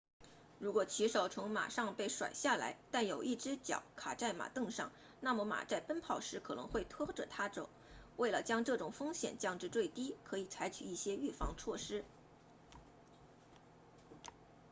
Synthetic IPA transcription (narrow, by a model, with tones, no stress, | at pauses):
ɻu˧˥kwɔ˨˩t͡ɕʰi˧˥ʂo˨˩ʊt͡sʰʊ˧˥ŋma̰˨˩ʂɑ˥˧ŋpe˥˩ɪʂwa̰˨˩ɪɕja˥˩la̰˧˥ɪt̪a˥˩njo˨˩ʊʔi˥˩ʈ͡ʂɻ̩˥t͡ɕjɑ̰˨˩˦ʊkʰa˨˩ʈ͡ʂa˥˩ɪma̰˨˩t̪ɤ˥˧ŋʂɑ̰˥˩ŋ | na˥˩mə˧˥ma̰˨˩t͡sa˥˩ɪpə˥npʰɑ˥˩ʊʂɻ̩˧˥kʰɤ˨˩nɤ˧˥ŋxwe˥˩ɪt̪ʰwɔ˥ʈ͡ʂɤ˨˩t̪ʰa˥ʈ͡ʂo̰˨˩˦ʊwe˥˩ɪlə˩t͡ɕjɑ˥ŋʈ͡ʂɤ˥˩ʈ͡ʂʊ˨˩ŋfɤ˥ŋɕjɛ̰˨˩nt͡ɕjɑ˥˧ŋʈ͡ʂɻ̩˥˧t͡swe˥˩ɪt̪i˥kʰɤ˧˥i˨˩t͡sʰa˧˥ɪt͡ɕʰy˨˩i˥˩ɕjɛ˥y˥˩fɑ̰˧˥ŋt͡sʰwɔ˥˩ʂɻ̩˥